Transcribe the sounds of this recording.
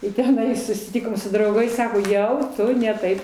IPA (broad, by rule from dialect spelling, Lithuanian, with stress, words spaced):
ɪ tʲɛˈnɐɪ sʊsʲɪˈtʲɪkoːm sʊ drɐʊˈɡɐɪs ˈsɑːkoː ˈjɛʊ ˈtʊ nʲɛ ˈtɐɪp